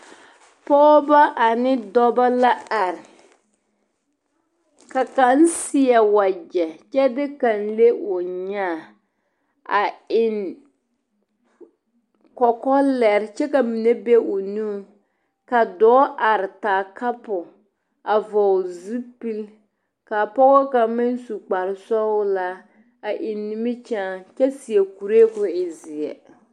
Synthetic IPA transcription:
pɔ˦ba˦ʔa˨nɪ˦dɔ˦ba˦la˦a˨ɾɪ˨ | ka˨ka˨˦n˦sɪ˦ɛ˨wa˨d͡ʒɛ˨t͡ʃɛ˦dɪ˦ka˨n̩˦le˦ʔʊ˨ɲaː˦˨ | a˨ɪ˨n | kɔ˨kɔ˦lɛ˨ɾɪ˦t͡ʃɛ˦ka˨mi˨ne˦be˦ʊ˨nu˦m | ka˨dɔː˨˦ʔa˨ɾɪ˨taː˨ka˦pʊ˨ | a˨vɔ˨zi˦pi˦l | ka˨pɔ˦ɣɔ˦ka˨mɪ˦n˦su˨k͡pa˨ɾɪ˨sɔ˦ʊ˦la˦ | a˨ʔɪ˨nːɪ˦mɪ˦t͡ʃaː˦t͡ʃɛ˦si˨ɛ˨ku˨ɾe˦kʊ˨ɪ˨zɪ˨ɛ̰˨

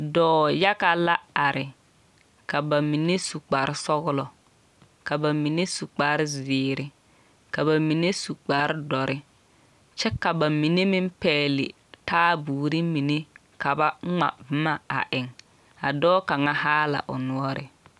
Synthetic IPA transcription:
dɔː˦ja˦ka˦la˦a˨ɾɪ˨ | ka˨ba˨mi˨ne˦su˨k͡pa˨ɾɪ˦sɔ˦ɣʊ˦lɔ˨ | ka˨ba˨mi˨ne˦su˨k͡pa˨˦ɾɪ˦zɪː˨ɾɪ˦ | ka˨ba˨mi˨ne˦su˨k͡pa˨ɾɪ˦dɔ˨ɾʔɪ˦ | t͡ʃɛ˦ka˨ba˨mi˨ne˦mɪ˦m˦pɛː˦˨lɪ̰˨ | taː˦buː˨ɾi˦mi˨ne˦ | ka˨ba˦ŋ͡ma̰˨bma˦a̰˨ʔɪ˨ŋ | a̰˨dɔː˦ka˨ŋa˦haː˦la̰˨ʔʊ̰˨nʊ˦ɔ˦ɾɪ̰˨

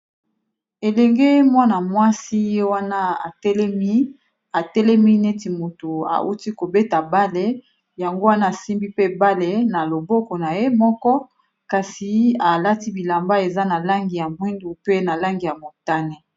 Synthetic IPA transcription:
e˨lɛ˨ŋɡe˦mwa˦na˨mwa˦si˦je˦wa˦na˦a˨tɛ˦lm˦ | a˨tɛ˦lɛ˦mi˦nɛ˦ti˨mo˨to˨a̰˨ʔu˦ti˦ko˨be˦ta˨ba˦le˦ | ja˨ŋɡo˦wa˦na˦˨si˦mbi˦pe˦ba˦le˨na˨lo˨bɔ˦kɔ˨na˨je˦mɔ˦kɔ˦ | ka˨si˨a˨la˦ti˦bi˨la˨mba˦e˨za˦na˨la˦ŋɡi˨ja˨mwi˦ndu˨pe˦na˨la˦ŋɡi˨ja˨mo˨ta˦ne˨

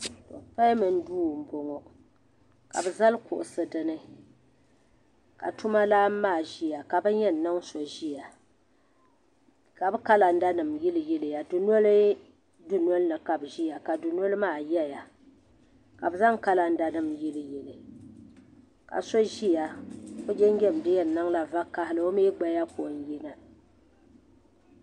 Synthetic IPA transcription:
tɔ̰˨pa˦mɨ˨n̩˦duː˦˨m̩˦˨bo˨ŋɔ˨ | ka̰˨bɨ˨za˦lkʊ̰˨ʔʊ˨sɨ˨dɨ˦˨nɨ˦ | ka̰˨tu˦ma˦laː˦m̩ː˦aː˦˨ʒi˦ja˨ka˨bɨ˦ɲɛ˦n̩˨nɨ˦ŋ˦so˨ʒi˦ja˨ | ka˨bɨ˦ka˦la˨n̩˦da˦nɨ˨mjɛ˦lɨ˦jɛ˦lɨ˨ja˨dʊ˨no˦lɨ˦ | dʊ˨no˦lɨ˦nɨ˨ka˨bʒi˦ja˨ka˨dʊ˨no˦lɨ˦maː˦˨jɛ˦ja˨ | ka˨bɨ˨za˦ŋka˦la˨n̩˦da˦nɨ˨mjɛ˦lɨ˨jɛ˨lɨ˨ | ka̰˨so˦ʒi˦ja˨o˦d͡ʒɛ˦ŋ˦ɡʲɛ˦˨m˨dɨ˦jɛ˨nːɨ˦ŋla˨va˦ka˦hɪ˦lɨ˦o˦meː˦ɡ͡ba˦ja˦ko˨n˦jɛ˦na˨

